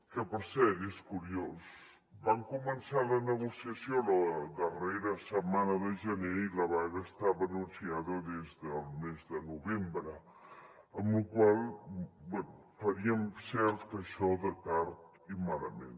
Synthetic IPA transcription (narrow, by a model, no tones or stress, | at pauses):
kəpəɾsɛɾeskuɾios | baŋkumənsalənəɣusiəsjoləðəreɾəsəmanəðəʒəneiləβaɣəːst̪aβənunsiaðəðezðəlˠmezðənuβembɾə | əmlukwalˠbɛnu | fəɾiəmsɛɾt̪əʃɔðət̪aɾt̪̚ | imaləmḛn